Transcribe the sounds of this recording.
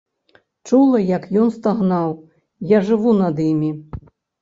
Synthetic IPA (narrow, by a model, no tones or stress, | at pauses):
t͡ʂulˠɐjɐkjɔnst̪aɣnaw | jaʐɨvunɐd̪imʲi